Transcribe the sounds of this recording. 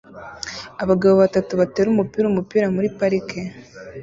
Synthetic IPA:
aβaɡaβoβatatuβateːɾumupiːɾumupiːɾamuɾipaɾike

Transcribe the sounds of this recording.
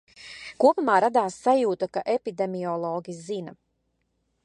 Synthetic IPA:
kuɔpumaːɾad̪aːsːajuːt̪akaʔepid̪emiɔlˠɔːɡʲizinɐ

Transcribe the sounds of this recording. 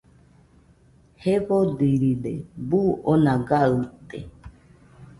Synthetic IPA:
heβodiɾiɾḛbuonãɡaɨt̪ḛ

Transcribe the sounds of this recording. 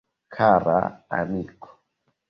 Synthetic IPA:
kʰaɾa̰a̰mikʰɔ̥

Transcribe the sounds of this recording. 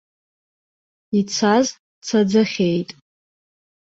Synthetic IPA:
it͡sʰaz | t͡sʰad͡zɨχʲejtʼ

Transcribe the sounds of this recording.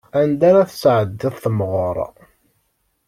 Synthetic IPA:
ænd̪aɾaθəsʕəd̪ːəðˤθəmʁʊɾ̰ˤ

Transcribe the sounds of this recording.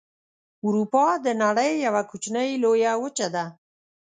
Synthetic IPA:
uɾupɑd̪ənaɽəjːawakut͡ʃnəjlojawət͡ʃad̪a

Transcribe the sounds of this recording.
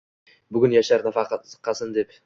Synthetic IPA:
bʏɡʲʏnjɑʃɑɾd̪ɑfɑqqɑsɨnd̪e̞p

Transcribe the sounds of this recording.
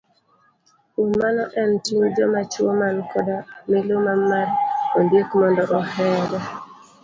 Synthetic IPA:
umːanɔʔɛntiɲd͡ʒɔmat͡ʃwomankɔdamɪlomamarondekmɔndɔʔɔhɛlɛ

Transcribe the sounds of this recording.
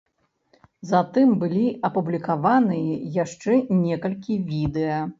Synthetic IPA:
zɐt̪ɨmbɨlʲiɐpublʲikavanɨjɐjaʂt͡ʂɛnʲɛkɐlʲkʲivʲid̪ɛjɐ

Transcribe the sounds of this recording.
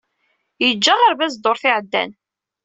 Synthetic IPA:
jəd͡ʒːaʁaɾvæzd̪oɾˤθɪʕəd̪ːæ̰n

